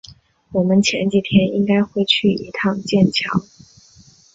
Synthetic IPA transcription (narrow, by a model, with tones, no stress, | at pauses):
wɔ˨˩mə˦nt͡ɕʰjɛ̰˧˥nt͡ɕi˨˩t̪ʰjɛ˥ni˥ŋka˥ɪxwe˥˧ɪt͡ɕʰy˥˩i˧˥t̪ʰɑ˥˧ŋt͡ɕjɛ˥˩nt͡ɕʰjɑ̰˧˥˦ʊ